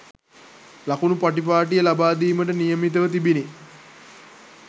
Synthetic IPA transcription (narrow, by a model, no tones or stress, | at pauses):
lakunupaʈip̬aːʈ̬ijəlabaːd̪iːməʈənijəmit̪əʋət̪ibini